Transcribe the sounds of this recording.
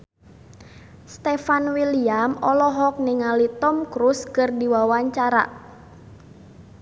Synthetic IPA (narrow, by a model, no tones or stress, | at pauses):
st̪efanwiliamɔlɔɦɔk̚niŋalit̪ɔmkɾuskərdiwawaɲt͡ʃaɾa̰ʔ